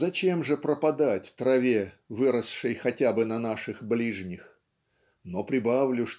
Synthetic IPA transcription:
zɐt͡ɕe̞mʐɨpɾəpɐd̪atʲt̪ɾɐvʲe | vɨɾəsʂɨjxɐtʲabɨnɐnaʂɨxblʲiʐnʲɪx | nopɾʲɪbavlʲʊʂ

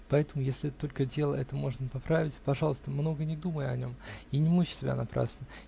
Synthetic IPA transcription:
pɐɛt̪əmʊjesʲlʲɪɛt̪t̪o̞lʲkədʲe̞lˠə̰ʔɛt̪əmo̞ʐnəpɐpɾavʲɪtʲpɐʐɑlˠəst̪əmno̞ɡənʲɪd̪uməjɐnʲo̞̰minʲɪmuɕsʲɪbʲa̰nɐpɾa̰snə

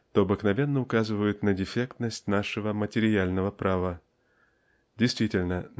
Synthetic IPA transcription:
t̪oɐbɨknɐvʲe̞nːəʊkazɨvəjʊt̪nədʲɪfʲe̞kt̪nəsʲtʲnaʂɨvəmətʲɪɾʲɪalʲnəvəpɾʔavə | dʲɪjst̪vʲitʲɪlʲnə

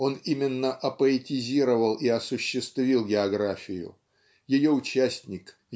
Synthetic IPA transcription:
o̞nimʲɪnːəʔɐpəɪtʲɪzʲiɾəvəlˠiɐsʊɕːɪst̪vʲilˠɡʲɪɐɡɾafʲɪjʊ̰ | jɪjo̞ʊt͡ɕæsʲtʲnʲɪk

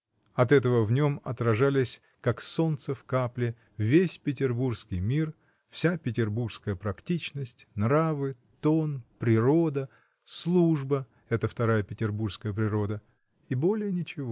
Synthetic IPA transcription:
ɐt̪ɛt̪əvəvnʲo̞mɐ̰t̪ɾɐʐalʲɪsʲ | kakso̞nt̪səfkaplʲɪ | vʲesʲpʲɪtʲɪrburskʲɪjmʲir | fsʲapʲɪtʲɪrburʂskəjəpɾɐktʲit͡ɕnəsʲtʲnravɨ | t̪o̞npɾʲɪɾo̞d̪ə | slˠuʐbə | ɛt̪əft̪ɐɾajəpʲɪtʲɪrburskəjəpɾʲɪɾo̞d̪ə | ibo̞lʲɪjənʲɪt͡ɕɪvo

